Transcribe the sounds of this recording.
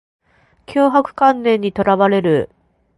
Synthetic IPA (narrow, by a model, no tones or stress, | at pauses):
kʲoːɦakɯ̟̥kãnːẽ̞ɲ̟ːit̪o̞ɾaβaɾe̞ɾɯ̟